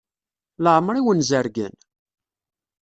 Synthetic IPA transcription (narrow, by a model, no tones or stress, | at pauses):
ləʁmɾˤiwənzəɾɡə̰n